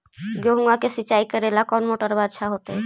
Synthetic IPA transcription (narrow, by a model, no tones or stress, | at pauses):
ɡoɦuŋɡakesit͡ʃaikəɾelakɔnmoʈəɾbad̪ʃaɦot̪e